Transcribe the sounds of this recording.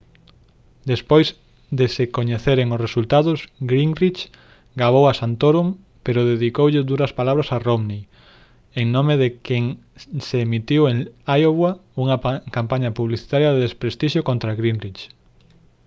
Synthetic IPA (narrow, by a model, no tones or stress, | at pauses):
d̪espojz | d̪esekoɲeθeɾeŋosresult̪aðʊzɡɾiŋrit͡ʃ | ɡaβ̞owasant̪oɾum | peɾoðeðikowʎed̪uɾɐspalaβɾasaromni | eŋnomeðekeŋseːmit̪iweŋajoβwauŋɐkampaɲɐpuβliθi̥t̪aɾjɐðeðespɾest̪iʃjokõnt̪ɾaɣɾinrit͡ʃ